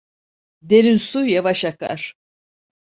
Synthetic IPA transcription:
d̪eɾinsujavaʃaka̰ɾ̥

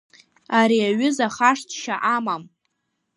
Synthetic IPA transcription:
aɾiaɥʏzaχaʂtʰʃaʔamam

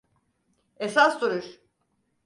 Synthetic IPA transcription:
esast̪uɾuɾ

